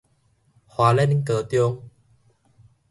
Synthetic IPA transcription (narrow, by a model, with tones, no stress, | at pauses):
hwaː˨˦lɛ˧n˦ŋkəː˨˦t̪jo˧ŋ